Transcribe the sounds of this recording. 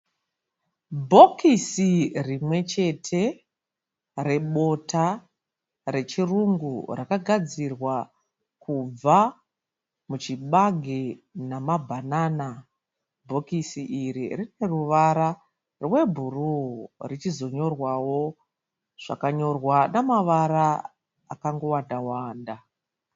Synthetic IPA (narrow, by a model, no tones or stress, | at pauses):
bʱo̞kʰisirimwe̞t͡ʃe̞tʰe̞ | re̞ɓo̞tʰa | re̞t͡ʃiruŋɡṵrakaɡʱad͡zirwa | kub͡va | mut͡ʃiɓaɡʱenamabʱanana | bʱo̞kisiʔiɾirine̞ruʋaɾa | rwe̞bʱururit͡ʃizo̞ɲo̞rwawo̞ | ʐ̥a̰kaɲo̞rwanamaʋaɾa | akaŋɡo̞wandawaːnda